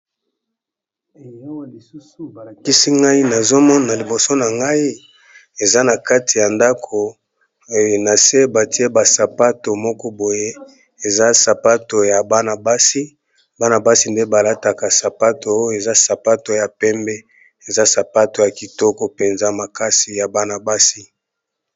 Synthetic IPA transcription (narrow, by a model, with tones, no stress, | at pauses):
ki˦si˦ŋɡa˦i˦na˨zo˦mɔ˦na˨li˨bo˨so˦na˨ŋɡa˦i˦ | e˨za˦na˨ka˦ti˨ja˨nda˦kʰo˨ | o˦jo˨na˨se˦ba˨ti˦e˦ba˨sa˨pa˦to˨mɔ˦kɔ˦bo˨je˦ | e˨za˦sa˨pa˦to˨ja˨ba˦na˨ba˦si˦ | ba˦na˨ba˦si˦nde˦ba˨la˦ta˨ka˨sa˨pa˦to˨o˦o˦e˨za˦sa˨pa˦to˨ja˨pɛ˦mbɛ˦ | e˨za˦sa˨pa˦to˨ja˨ki˨tɔ˦kɔ˦pe˨nza˦ma˨ka˦si˨ja˨ba˦na˨ba˦si˦